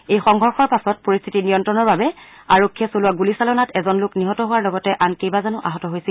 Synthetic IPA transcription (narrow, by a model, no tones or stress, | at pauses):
ejxɔŋɡʱɔɹxɔɹpasɔt̚poɹist̪ʰitinijɔntɹɔnɔɹbabɛ | aɹokʰːiɛsolʊwaɡulisalɔnatɛzɔnlʊkniɦɔtɔɦʊwaɹlɔɡɔtɛʔankejbazanʊʔa̰ɦɔtɔɦojsil